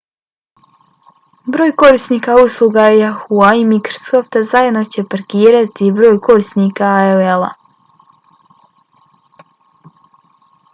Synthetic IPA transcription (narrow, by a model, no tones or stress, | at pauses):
bɾo̞ːjko̞ɾisnikauslˠuɡajaxuaimikɾosoft̪azajed̪not͡ɕe̞paɾkiːɾat̪ibɾo̞ːjko̞ɾist̪nikaoelˠa̰